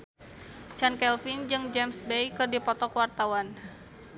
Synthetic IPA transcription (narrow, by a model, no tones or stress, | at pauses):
t͡ʃankɛlfind͡ʒɨŋd͡ʒɛmsbejkɨrdipɔt̪ɔkwart̪awan